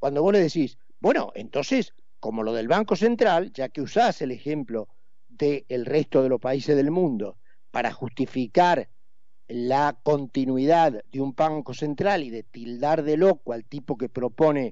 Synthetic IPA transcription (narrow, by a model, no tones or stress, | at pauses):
kwand̪o̞βo̞sleðesis | bwe̞no̞̰ʔḛnt̪o̞nses | ko̞mo̞lo̞ð̞e̞lβaŋko̞se̞nt̪ɾalʒakeusase̞lexemplo̞ | ðeːlrest̪o̞ð̞elospaisezðe̞lmũnd̪o̞ | paɾa̰xust̪ifikaɾ | lako̞nt̪inwiðaðd̪eumbaŋko̞se̞nt̪ɾaliðet̪ild̪aɾðelo̞koalt̪ipo̞ke̞pɾo̞po̞ne